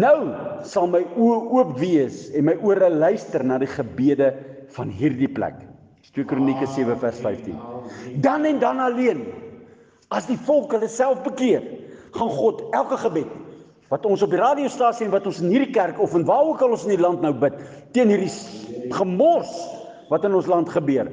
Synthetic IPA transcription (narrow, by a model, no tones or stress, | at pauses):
nəwsɐlˠməjuəuəpviəsɛnməjʔuəɾəlœɥstərnɑːdiχəbiədəfɐnɦiːrdiplæ̰k | twiəkronikəsiəvəfærsfɛjftḭndɐnɛndɐnɐliən | ɐsdifɔlˠkɦələsælˠfbəkiərχɑnχɔtælˠkəχəbɛt | vɐtɔnsɔpirɑːdiostɑːsiɛnvɐtɔnsənɦiːrdikærkɔfənvɑːuəkɦəlɔ̃nsəndilɐntnəwbətː | iənɦirdiχəmɔrs | vɐtənɔnslɐntχəbøər